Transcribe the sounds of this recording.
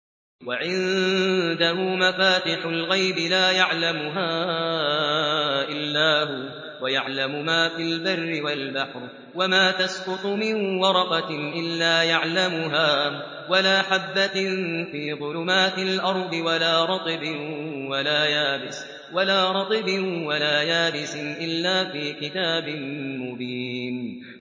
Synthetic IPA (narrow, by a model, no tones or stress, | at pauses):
waʕɪnd̪ahʊːmafaːt̪ɪħʊlɣajbɪlaːjaʕlamʊɦaː | ʔɪlːaːɦʊ | wajaʕlamʊmaːfilbarːɪwalbaħɾ | wamaːt̪asqʊt̪ˤʊmɪnwɑɾˤɑqɑʔɪlːaːjaʕlamʊɦaː | walaːħabːanfiːɣʊlʊmaːt̪ɪlʔɑɾˤd̪ˤɨwalaːɾˤɑt̪ˤɨbɪnwalaːjaːbɪs | walaːɾˤɑt̪ˤɨbɪnwalaːjaːbɪsɪnʔɪlːaːfiːkɪt̪aːbɪnmʊbiːn